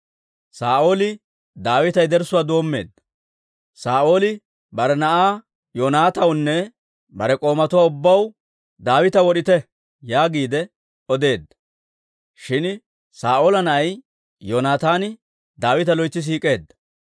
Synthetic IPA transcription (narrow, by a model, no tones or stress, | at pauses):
saːʔo̞ːlɪ | d̪aːwɪt̪ɐjd̪ɛɾsʊwaːd̪o̞ːmːe̞̰ːd̪ːɐ | saːʔo̞ːlɪ | bɐɾɛnɐʔaː | joːnaːt̪ɐwnːɛ | bɐɾɛkʼo̞ːmɐt̪ʊwaːʊbːɐw | d̪aːwɪt̪ɐwɔɗɪt̪ɛ | jaːɡiːd̪ɛ | ɔd̪e̞ːd̪ːɐ̥ | ʃɪn | saːʔo̞ːlɐnɐʔɐj | joːnaːt̪aːnɪ | d̪aːwɪt̪ɐlɔjt͡sːɪs̬iːkʼe̞ːd̪ːɐ̥